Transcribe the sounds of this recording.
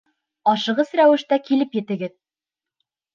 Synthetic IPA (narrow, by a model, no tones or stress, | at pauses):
ɒʃɤ̆ʁɤzɾæwɘ̆ʃt̪ækilɘpjɘ̆t̪ɘ̆ɡɘð